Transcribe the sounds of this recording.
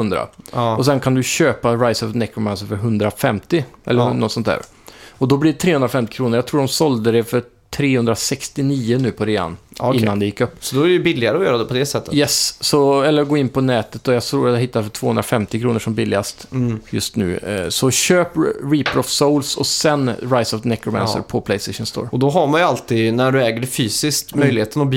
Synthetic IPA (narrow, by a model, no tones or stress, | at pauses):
ɵnd̪ɾa̰ɔs̬ɛnkʰand̪ʉɕøːpaɾaɪsɔvnɛkːɾʊmaʊnsəfœɾɦɵnd̪ɾafɛmt̪ɪʔɛ̰lːənɔt̪sɔnt̪ʰæ̰ːɾ | ɔd̪ɔblɪɖɛt̪ʰɾeːhɵnd̪ɾafɛmt̪ɪkʰɾuːnəɾjaɡt̪ʰɾuːɖɔmsɔld̪əd̪ɛfœ | tʰɾeːhɵnd̪ɾasɛkst̪ɪniːʊnʉ̟ːpʰɔɾeːa̰nɪnːand̪ɛjɪkːɵpːsɔd̪ɔɛɛjʉbɪlːɪɡaɾəɔjøːɾad̪ɛpʰɔd̪ɛsɛt̪ːə̰j̪ɛssɔɛlːəɾɡoːɪnːpʰɔnɛːt̪ət̪ɔjɑɡsuːɾɦɪt̪ːafœʈʰvoːhɵnd̪ɾafɛmt̪ɪkʰɾuːnəʂɔmbɪlːɪast̪jɵst̪nʉ̟ːsɔɕøːpɹiːpɾɔfsoʊlsɔsɛnɾaɪsɔvd̪nɛkːɾɔmɛ̰nsə̰ɾpʰɔpʰlɛɪst̪eɪʃʊnst̪o̰ːɾɔd̪ɔɦaɾmanjɵalt̪iːnæɖɵɛːɡəɖɛfyːsɪskt̪mœjlɪheːt̪ənɔb